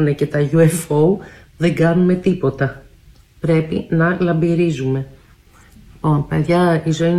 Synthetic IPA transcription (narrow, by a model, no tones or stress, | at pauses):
unecet̪ɐʝuefou | ðe̞ŋɡɐnume̞t̪ipo̞t̪ɐ | pɾe̞pḭnɐlɐmbiɾizume̞ | lipo̞npeðʝɐizo̞in